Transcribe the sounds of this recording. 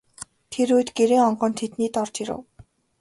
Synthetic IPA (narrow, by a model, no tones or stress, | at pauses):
t̪ʰeɾujt̪ɡeɾeːŋɔɴɢɞ̆nt̪ʰet̪niːt̪ɔrt͡ɕiɾo̰w